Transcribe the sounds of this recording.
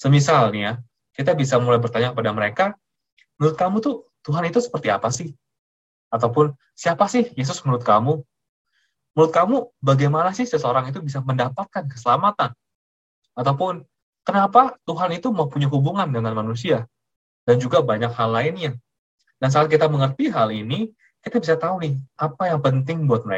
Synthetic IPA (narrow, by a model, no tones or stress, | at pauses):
səmisalnija | kit̪abisamulajbərt̪aɲakəpadaməɾeka | muɾʊt̪̚kamut̪ut̪uɦanit̪usə̥pərt̪ia̰pasɪh | at̪awpʊn | siapasɪhjes̬ʊsməɾʊt̪̚kamu | məɾʊt̪̚kamubaɡajmanasɪhsəsəoɾaŋit̪̬ubisaməndapat̪̚kankə̥səlamat̪an | at̪awpʊn | kənapat̪uɦanit̪umaupuɲaɦubuŋandəŋanmanus̬ia | dand͡ʒuɡabaɲakhalːaɪnɲa | dans̬aal̚k̬it̪aməŋərt̪iɦalini | kit̪abisat̪aunɪhʔapajaŋpənt̪ɪŋbuat̪̚məa̰